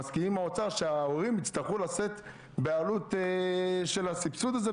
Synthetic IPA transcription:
askiimaot͡saʃeaoʁimit͡st̪aχulase̞t̪ | bealut̪eʃe̞lasipsud̪aze

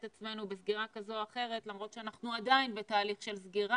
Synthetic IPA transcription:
t̪at͡sme̞nubesɡiʁakazo̞aχe̞ʁe̞t̪lamʁo̞t̪ʃeanaχnuad̪ainbe̞taːliχʃelzɡiʁa

